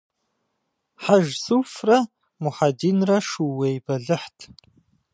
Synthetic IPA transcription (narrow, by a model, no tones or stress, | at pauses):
ħaʒsufrɐ | mʊħadinrɐʂuwejbɐɮɨħtʰ